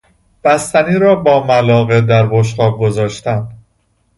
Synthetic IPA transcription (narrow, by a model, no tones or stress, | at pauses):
b̥æst̪æniːɾɒːbɒːmælɒːɣed̪æɾboʃ̬qɒːb̚ɡozɒːʃt̪ænd̪̥